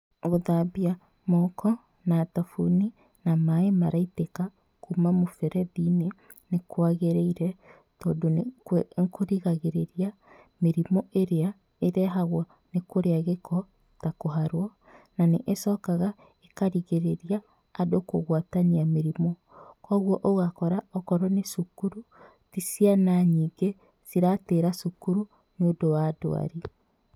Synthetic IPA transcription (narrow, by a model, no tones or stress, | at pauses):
ɣoðabia | mɔkʰɔ | natafuni | namaemaɾaiteka | kumamofɛɾɛðinenekoaɣeɾeiɾɛ | tɔːdonŋkoɾiɣaɣeɾeɾia | meɾimɔʔeɾea | eɾɛɦaɣwɔ | nekoɾeaɣekʰɔ | takoɦaɾwɔ | naneʔesɔːkaɣa | ekaɾiɣeɾeɾiaː | doko̰ɣwataniameɾimɔ | kɔːɣwɔʔoɣakɔɾaɔkɔɾɔnesukuɾu | tisianaɲiːɡe | siɾateɾasukuɾu | nodowaːdo̰a̰ɾi